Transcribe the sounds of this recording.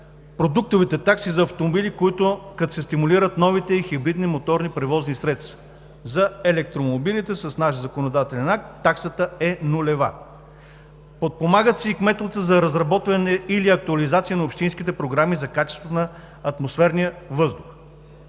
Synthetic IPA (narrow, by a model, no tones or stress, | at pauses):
pɾod̪uk̚t̪ovit̪ɛt̪aksizɐɐft̪omobilikoit̪ʊkɐt̪osɛst̪imuliɾət̪nɔvit̪ɛixibɾid̪nimot̪ɔɾnipɾɛvɔznisɾɛt̪st̪vɐ̥ | zɐɛlɛk̚t̪ɾomobilit̪ɛsəsnaʃzɐkonod̪at̪ɛlɛnak̚t̪ːaksət̪əɛnʊlɛva̰ | pot̪̚pomaɡət̪siikmɛt̪lˠt̪səzɐɾɐzɾɐbɔt̪vɐnɛiliɐk̚t̪uɐlizat̪sijənɐopʃt̪inskit̪ɛpɾoɡɾamizɐkat͡ʃɛst̪vot̪nɐ | ɐt̪mosfɛɾnijəvɤzd̪ʊx